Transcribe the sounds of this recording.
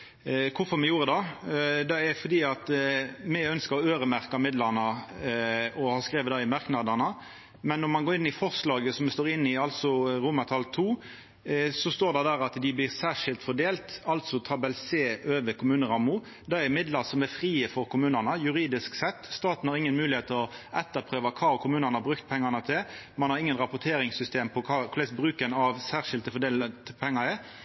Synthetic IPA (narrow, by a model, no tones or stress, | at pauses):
kʰʊfɔɾmɛjuːɾəd̪ɑd̪ɛæfɔd̪iːɑt̪mɛœnskəɾɔøːɾəmæɾkɑmɪd̪lɑɾnə | ɔhɑːskɾeːʋəd̪ɑːɪmɑɾknɑd̪ɑnə | mɛnːɔɾmɑnɡoːɾɪnːɪfɔʁslɑːɡəsɔmɛst̪oːɾɪnːɪɑlsɔɾʊmɑt̪ʰɑlt̪ʰuː | sɔst̪oːd̪ɛd̪æɾɑt̪d̪ɪblɪɾsæːʂɪlt̪fɔd̪eːlt̪ɑlt̪sɔt̪ʰɑbɛlseːʔøːʋəɾkʰʊmʉːnəɾɑmːʊ | d̪ææmɪd̪lɑʁsɔmæɾfɾiːəfɔɾkʰʊmʉːnənəjʉɾiːd̪ɪsksɛt̪ːst̪ɑːt̪n̩hɑɾɪŋːənmʉːlɪeːt̪ːəɔɛt̪ːəpʰɾøːʋɑkʰɑːkʰʊmʉːnənəhɑbɾʉkt̪̚pʰɛŋːɑnət̪ʰɪl | mɑnhɑɾɪŋːənɾɑpʊt̪ʰeːɾɪŋsʏst̪eːmpʰɔkʰɑkʰlɛsbɾʉːkənɑʋsæːʁʂɪlt̪əfɔɖ̪eːlət̪pʰɛŋːɑɾə